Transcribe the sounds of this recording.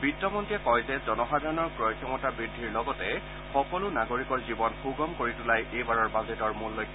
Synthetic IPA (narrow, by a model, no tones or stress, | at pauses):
bitːɔmɔntiɛkɔjzɛzɔnɔxadʱaɹɔnɔɹkɹɔjkʰjɔmɔtabɹidʱːiɹlɔɡɔtɛ | xɔkɔlʊnaɡoɹikɔɹzibɔnxuɡɔmkoɹitʊlajʔejbaɹɔɹbazetɔɹmulːojk